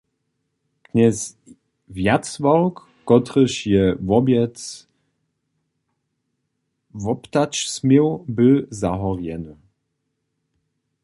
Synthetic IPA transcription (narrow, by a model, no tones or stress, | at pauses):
ɡ̥ɲɛs | vjat͡svɔlkːɔt̪ɾəʃjɛvɔbɛt͡s | vɔpt̪at͡ʃsmɛwbɪzaɦɔrjɛn